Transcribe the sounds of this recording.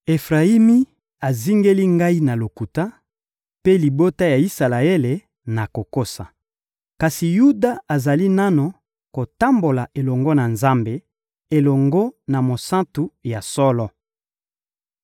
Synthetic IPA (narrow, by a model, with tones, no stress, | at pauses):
e˨fʁa˨i˦mi˦ | a˨zi˦ŋɡe˦li˦ŋɡa˦i˦na˨lo˨ku˨ta˦ | pe˦li˨bo˦ta˦ja˨i˦sa˨la˨e˦le˨ | na˨ko˨ko˦sa˨ | ka˨si˨ju˦da˦a˨za˨li˦na˦no˨ | ko˨ta˦mbo˨la˨ʔe˨lɔ˨ŋɡɔ˦na˨nza˦mbe˦ | e˨lɔ˨ŋɡɔ˦na˨mo˨sa˦tu˨ja˨sɔ˦lɔ˦